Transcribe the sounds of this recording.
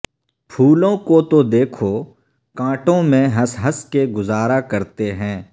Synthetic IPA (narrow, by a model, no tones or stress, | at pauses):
pʰuːlõkot̪od̪eːkʰo | kãːʈõmẽɦɐsɦəskeɡʊzaːɾakɐɾt̪eɦɛ̃ː